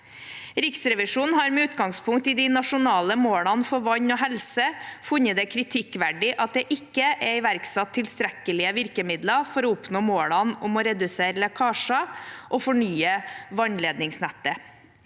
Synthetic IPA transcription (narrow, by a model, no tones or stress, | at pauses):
ɾɪksɾɛʋɪʂuːnn̩hɑɾmɛʉːt̪ɡɑŋspʰʊŋkt̪ɪd̪ɪnɑʂʊnɑːləmoːɽɑnfɔɾʋɑɲoːɦɛlsəfʉɲːəd̪ɛkʰɾɪt̪ʰɪkːʋæɖɪʔɑt̪̚d̪ɛʔɪkːəʔɛɪʋæɾksɑt̪ʰːɪlst̪ɾɛkəlɪəʋɪɾkəmɪd̪lɑfɔɾɔʊpnoːmoːɭɑnʊmɔɾɛd̪ʉseːɾəlɛkʰɑːʂɑʔofɔɳyːəʋɑɲleːd̪nɪŋsnæt̪ːə